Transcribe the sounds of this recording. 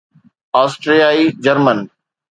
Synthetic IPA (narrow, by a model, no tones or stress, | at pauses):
aːsʈɾijaːid͡ʑɐɾmən